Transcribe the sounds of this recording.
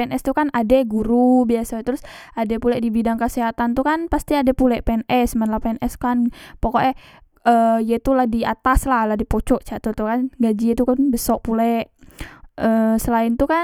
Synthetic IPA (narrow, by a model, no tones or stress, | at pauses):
ɛnʔɛst̪ukanadɛɡuɾubiasat̪əɾʊsadɛpulɛʔdibidaŋkəseɦat̪ant̪ukanpast̪iadɛpulɛʔpɛnɛsmanlapɛnʔɛskanpokoʔɛ | ʔəjɛt̪ulahdiat̪aslahlahdipot͡ʃɔʔt͡ʃaʔt̪ɔt̪ukanɡad͡ʒit̪ukanbəsɔʔpulɛʔ | əːsəlaɪnt̪uka